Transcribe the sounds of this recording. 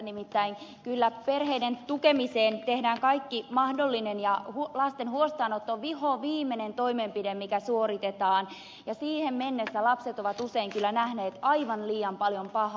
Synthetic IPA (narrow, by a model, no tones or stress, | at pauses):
nimit̪ːæiŋkylːæperheident̪ukemiseːnt̪ehdæːŋkɑikːimɑhdolːinenjɑhulɑst̪enhuost̪ɑːnot̪ːoʋihoʋiːmːenent̪oimempidemmikæsuorit̪et̪ɑːn | jɑsiːhemmenːesːælɑpset̪oʋɑt̪useiŋkylːænæhneːt̪ɑiʋɑnliːɑmpɑljompɑhɑ